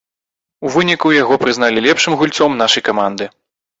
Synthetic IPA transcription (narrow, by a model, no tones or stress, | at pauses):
uvɨnʲikujaɣɔpɾɨznalʲilʲɛpʂɨmɣulʲt̪sɔmnaʂɐjkamand̪ɨ